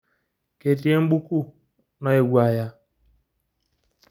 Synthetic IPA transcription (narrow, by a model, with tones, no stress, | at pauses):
ke˨ti˦e˦ŋ͡m̩˦ɡ͡bu˦ku˦ | na˦e˨ɡʷa˨ja˦